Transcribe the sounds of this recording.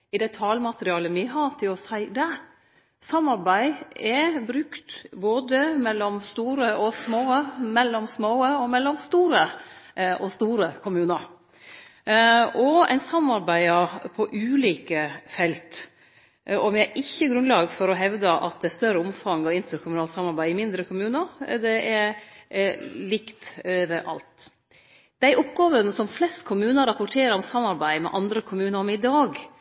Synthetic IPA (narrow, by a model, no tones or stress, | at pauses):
ɪd̪ɛt̪ʰɑːlmɑt̪əɾɪɑːləmɪɦɑɾt̪ʰɪlɔsæɪd̪ɛ | sɑmɑɾbæɪɛbɾʉkt̪boːd̪əmɛlːɔmst̪uːɾəɔsmoːəmɛlːɔmsmoːəɔmɛlːɔmst̪uːɾə | ʔɔst̪uːɾəkʰʊmʉːnəɾ | ɔæ̰ɪnsɑmːɑɾbæɪəpʰɔʔʉːliːkəfɛlt̪ | ɔmjæɪʔɪçːəɡɾʉnlɑːɡfɔɾɔɦɛʋd̪əʔɑ̰t̪̚d̪ɛst̪œrəʊmfɑŋːɔɪnt̪əɾkʰʊmʉnɑːlsɑmɑɾbæɪɪmɪnd̪ɾəkʰʊmʉːnəɾd̪ɛʔɛɾ | lɪkt̪øʋəɾʔɑ̰lt̪ | d̪̥æɪʔɔpɡɑːʋənsɔmflɛst̪kʰʊmʉːnəɾɑpʊʈʰeːɾəɾɔmsɑmːɑɾbæɪmɛ̰ʔɑnd̪ɾəkʰʊmʉːnəɾɔmɪd̪ɑːɡ